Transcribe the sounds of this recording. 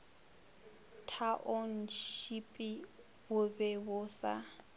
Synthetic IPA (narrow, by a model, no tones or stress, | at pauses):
tʰaʔon̩ʃipʼi | wʊbɛbʊsa̰